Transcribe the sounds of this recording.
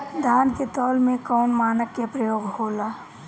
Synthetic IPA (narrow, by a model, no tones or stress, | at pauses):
d̪ʱaːnket̪ɔːlmẽkɔːnmaːnəkːepɾəjoːɡhoːlaː